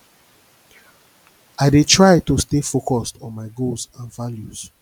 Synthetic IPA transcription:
aɪdetʰɹaɪtostefokɔstɔ̃nmaɪɡolzãnvaljuz̥

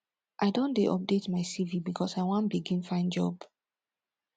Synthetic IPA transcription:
ʔaɪdõndeʔɔ̰p̚detmaɪsivibikʰɔsaɪwãnbiɡĩnfãɪ̃nd͡ʒɔ̰b̥

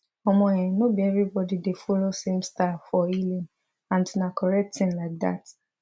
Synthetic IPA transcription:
ɔmɔ̃ɛ̃ɛ̃nobiɛvɾibɔdidefɔlosẽmstafɔilĩn | ãntunakʰɔɹɛk̚ttĩnlaɪk̚d̪a̰t

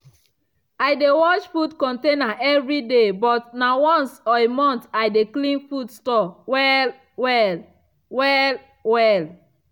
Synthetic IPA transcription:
ajdewɔt͡ʃfudkɔ̃ntẽnaʔɛvɹidebɔtnawɔ̃nsɔemɔ̃ntaɪdeklĩnfudstɔwɛl | wɛl | wɛl | wɛl

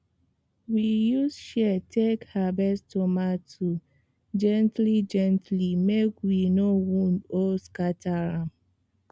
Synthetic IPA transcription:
wijusʃɛtʰekhabɛstomatʰu | d͡ʒɛ̃ntlid͡ʒɛ̃ntlimekwinowũndoskatʰaɾãm

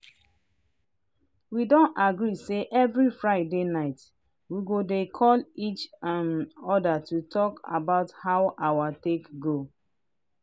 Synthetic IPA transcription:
widõntaɡɹiseʔɛvɹifɹaɪdenaɪt | wiɡodekʰɔlit͡ʃãnɔdatutʰɔka̰baʊthaʊʔawatekɡo

